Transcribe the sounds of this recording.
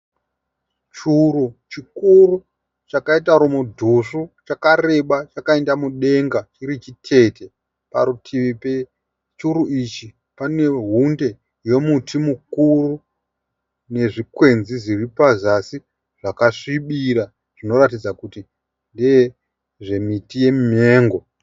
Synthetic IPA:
t͡ʃurut͡ʃikuru | t͡ʃakaitaɾomudʱuʂut͡ʃakare̞ɓat͡ʃakae̞ndamuɗe̞ŋɡat͡ʃiɾit͡ʃitʰe̞te̞ | pa̰ɾutʰiʋipe | t͡ʃuɾuʔit͡ʃi | pane̞ɦunde̞ | je̞mutʰimukuru | ne̞ʐikwe̞nziʐiripazasi | ʐ̥akaʂiɓiɾa | ʐ̥ino̞ɾatid͡zakuti | ndeje | ʐe̞mitije̞mme̞ːŋɡo̞

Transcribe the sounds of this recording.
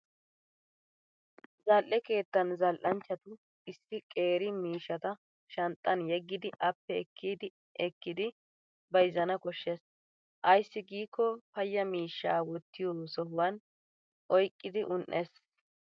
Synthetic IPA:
zɐlʔɛke̞ːt̪ːɐnzɐlʔɐnt͡ʃːɐt̪ʊ | ɪsːɪkʼe̞ːɾɪmiːʃːɐt̪ɐ | ʃɐnt̪ʼːɐnjɛɡːɪd̪ɪʔɐpːɛɛkʰːiːd̪ɪ | ɛkːɪd̪ɪ | bɐjɪzɐnɐkɔʃːes | ʔɐjsːɪɡiːkːɔpɐjːɐmiːʃːaːwɔt̪ːɪjoːsɔɦʊwɐn | ʔɔjkʼːɪd̪ɪʔʊnʔes

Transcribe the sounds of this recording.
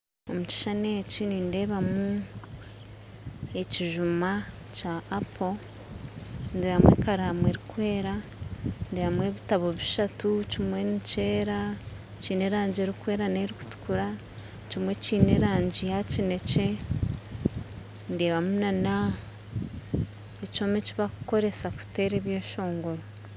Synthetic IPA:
o̞muci̥ʃanecininde̞ːβamu | e̞ciʒuma | caːpʰo | ndeβamwḛːkaɾamwe̞ɾikwe̞ːɾa | nde̞ːβamwe̞ːβitaβo̞βiʃatucimwe̞nice̞ːɾa | ciːne̞ɾaːɲɟieɾikwe̞ːɾaneːɾiku̥tu̥kuɾa | cimwe̞ciːneɾaːɲɟijacine̞ce̞ | ndeːβamunana | eco̞ːmeciβakuko̞ɾe̞saku̥te̞ːɾeβjeːʃo̞ːŋɡo̞ɾo

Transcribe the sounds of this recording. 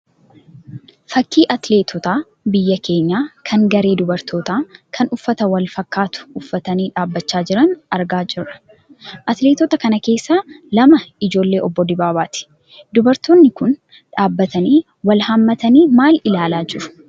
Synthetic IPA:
fɐkːiːʔɐt̪leːt̪ʰɔt̪aː | bɪjːɐkʰe̞ːɲːaːkʰɐŋɡɐɾe̞ːd̪ʊbɐɾt̪ʰo̞ːt̪aːkʰɐnʊfːɐt̪ɐwɐlfɐkːaːt̪ʊ̥ʊfːɐt̪ɐniːᶑaːbːɐt͡ʃːaːd͡ʒɪɾɐnɐɾɡaːd͡ʒɪrːɐ̥ | ʔɐt̪leːt̪ɔːt̪ɐkɐnɐke̞ːsːaːlɐmɐɪd͡ʒo̞ːlːe̞ːʔɔbːɔd̪ɪbaːbaːt̪ɪ̥ | d̪ʊbɐɾt̪oːnːɪkʊn | ᶑaːbːɐt̪ɐniː | wɐlhɐmːɐt̪ɐniːmaːlɪlaːlaːd͡ʒɪɾʊ̥

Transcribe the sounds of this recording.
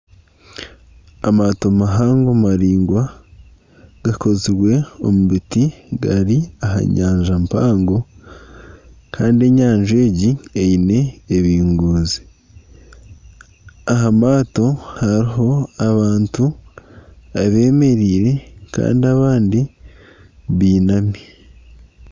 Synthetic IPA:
amaːtomaɦaːŋɡomaɾiːŋɡwa | ɡ̥akʰo̞ziɾwe̞o̞̰muβitiɡaɾiaɦa̰ɲaːɲʒampaːŋɡo̞ | kʰaːndie̞ɲaːɲʒe̞ːɟiejine̞ːβiːŋɡuːzi̥ | aɦamaːto̞haɾiɦo̞aβaːntu | aβe̞ːme̞ɾiːɾe̞ka̰ːndiaβaːndi | βiːnami

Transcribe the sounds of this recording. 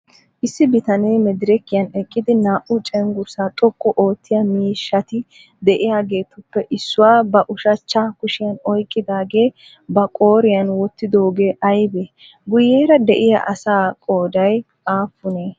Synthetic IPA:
ʔɪsːɪbɪt̪ɐneːmɛd̪ɪɾɛkːɪjɐnɛkʼːɪd̪ɪnaːʔʊt͡ʃʼɛŋɡʊɾsaːt̪ʼɔkʼːɔʔo̞ːt̪ʰːɪjɐmiːʃːɐt̪ɪ | d̪ɛʔɪjaːɡe̞ːt̪ʊpːɛʔɪsːʊwaːbɐʔʊʃɐt͡ʃːakʊʃɪjɐnɔjkʼːɪd̪aːɡe̞ː | bɐkʼo̞ːɾɪjɐnwɔt̪ːɪd̪o̞ːɡeːʔɐjbeː | ɡʊjːeːɾɐd̪ɛʔɪja̰ʔɐsaːkʼo̞ːd̪ɐj | aːfːʊneː

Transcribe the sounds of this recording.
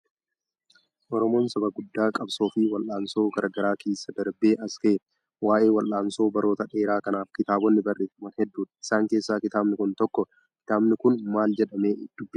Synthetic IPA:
ʔɔɾɔmo̞ːnsɐbɐɡʊd̪ːaːkʼɐbso̞ːfɪwɐlʔaːnso̞ːɡɐɾʔɡɐɾaːkʰeːsːɐd̪ɐɾbeːʔɐskeː | waːʔe̞ːwɐlʔaːnso̞ːbɐɾo̞ːt̪ɐᶑe̞ːɾaːkɐnaːfkɪt̪aːbɔnːɪbɐreːfmɐnhɛd̪ːuːᶑ̪ɪ̥saːŋke̞ːsːaːkɪt̪aːbnɪkʊnt̪ɔkːɔ | kɪ̥t̪aːbnɪkʊnmaːld͡ʒɛᶑɐme̞ːd̪̥ʊbːɪ

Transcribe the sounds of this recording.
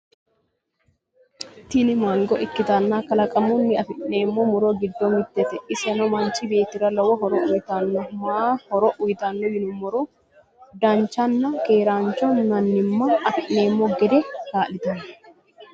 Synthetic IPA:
t̪ɪnɪmɐŋɡɔʔɪkːɪt̪ɐnːaːkɐlɐkʼɐmunːɪɐfɪʔne̞ːmːomʊɾoɡɪd̪ːomɪt̪ːɛt̪ɛɪsɛnɔmɐnt͡ʃɪbe̞ːt̪ɪɾɐlɐwɐɦɔɾɔʔʊjt̪anːɐmaːhɔɾɔʔʊjt̪anːɔjɪnʊmːɔɾo | d̪ɐnt͡ʃːɐnːɐke̞ːɾaːnt͡ʃːɔnːɐnːɪmːɐɐfɪʔne̞ːmːoɡɛd̪ɛkaːlɪt̪ɐnɐ

